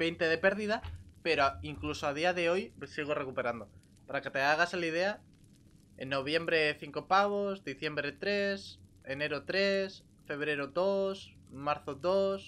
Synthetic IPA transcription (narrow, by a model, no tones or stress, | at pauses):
be̞jnt̪e̞ð̞e̞pe̞ɾðiðape̞ɾoiŋklusoaðiaðe̞o̞jesiɣ̞ore̞kupe̞ɾand̪o̞ | paɾake̞t̪e̞aɣ̞aselið̞e̞a | ḛnːo̞β̞je̞mbɾe̞θiŋko̞paɣ̞o̞zd̪iθje̞mbɾe̞t̪ɾe̞s | e̞ne̞ɾot̪ɾe̞s | fe̞β̞ɾe̞ɾod̪o̞s | maɾθoðo̞s